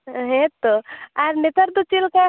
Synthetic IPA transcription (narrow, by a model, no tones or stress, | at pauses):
ɦẽt̪ːoaɾnet̪əɾd̪ut͡ʃilka